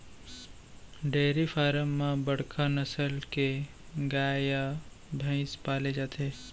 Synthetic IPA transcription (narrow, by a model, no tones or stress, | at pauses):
ɖeːɾifʰaːɾəmːãbəɽkʰanɐsəlke | ɡaːja | bʱə̃ɪ̃spaːled͡ʒaːt̪ʰeː